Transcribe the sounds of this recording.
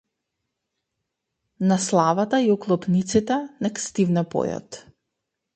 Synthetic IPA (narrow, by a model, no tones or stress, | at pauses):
naslˠavat̪aiɔklˠɔpnit̪sit̪ɛnɛkst̪ivnɛpɔ̰jɔ̰t̪